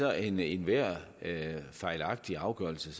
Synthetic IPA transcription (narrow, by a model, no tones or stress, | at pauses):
ɒʔenenʋæɐ̰ | fɑ̈ɪlɑ̈ɡ̥̚d̥iɑ̈ʊɡ̥œːɐl̩səs